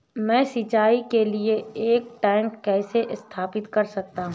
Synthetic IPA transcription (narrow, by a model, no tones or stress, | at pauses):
mɛ̃ːsit͡ʃaːikelieeːk̚ʈɛːɪŋkkɛːseʔɪst̪ʰaːpɪt̪kɐɾsɐk̚t̪aɦũ